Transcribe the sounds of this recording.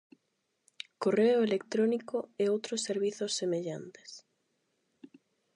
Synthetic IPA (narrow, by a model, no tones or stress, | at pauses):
koreoelekt̪ɾonikoeowt̪ɾosːeɾβiθosːemeʎa̰nt̪e̥s